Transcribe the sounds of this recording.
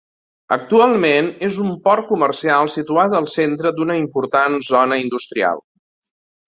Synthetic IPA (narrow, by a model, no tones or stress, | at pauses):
ə̰k̚t̪ualˠmenezumpɔɾkumərsialˠsit̪uat̪əlˠsent̪ɾəd̪unəimpuɾt̪anzɔnəind̪ust̪ɾia̰lˠ